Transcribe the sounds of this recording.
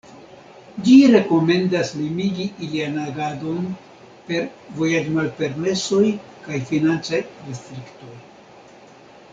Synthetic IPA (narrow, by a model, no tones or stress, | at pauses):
d͡ʒiɾe̞ko̞me̞ndaslimiɡiilianaɡado̞n | pe̞ɾ | vo̞jad͡ʒmalpe̞ɾme̞so̞jkajfinant͡sajɾest̪ɾikto̞j